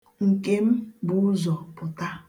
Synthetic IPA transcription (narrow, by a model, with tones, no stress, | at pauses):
ŋ̩˨ke˦m̩˦bʊ˦ʊ˦zɔ˨pʊ˨ta˦